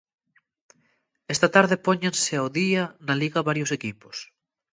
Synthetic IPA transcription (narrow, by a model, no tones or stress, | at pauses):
ɛst̪ɐt̪aɾðepɔɲenseawðiɐnɐliɣɐβaɾjʊsekipʊ̥s